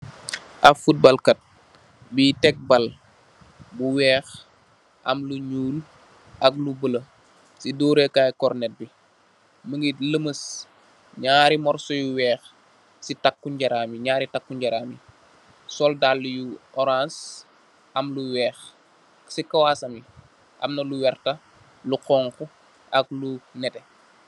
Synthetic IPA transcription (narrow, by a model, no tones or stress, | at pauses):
ʔɐfut̚bɐlkɐt̚ | bitɛk̚bɐl | buwɛːx | ʔɐmluɲuːl | ʔɐk̚lubəlɐ | sidɔːɾekaːjkɔrnɛt̚bi | məŋɡiləməs | ɲaːɾimɔrsɔjuwɛːx | sitakːuɲɟɐɾaːmiɲaːɾitakːuɲɟɐɾaːmi | sɔldalːujuɔɾãns | ʔɐmluwɛːx | sikɐwaːsɐmi | ʔɐ̰mnɐluwɛrtɐ | luqɔːŋku | ɐk̚lunɛtɛ